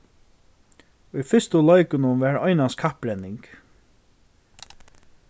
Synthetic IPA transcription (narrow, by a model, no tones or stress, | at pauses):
ujfɪst̪ʊlɔjkʊnʊʋɛtɔjnaskʰahpɾɛnːɪŋk